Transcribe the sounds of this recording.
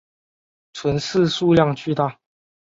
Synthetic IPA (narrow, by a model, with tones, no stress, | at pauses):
t͡sʰwə˨˦nsɹ̩˥˧˨su˥˧lja˥˨ŋt͡ɕy˥˧t̪a˥˨